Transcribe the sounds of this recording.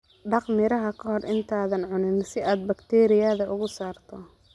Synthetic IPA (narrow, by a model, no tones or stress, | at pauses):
ɖɑqmɪɾɐɦɐkʰɐɦɔrʔɪnt̪ʰaːðɐnʕʊnɪnsɪaːd̪̚bɐkt̪ʰɛːɾɪjaðɐʔʊɣʊsaːrt̪ʰɔ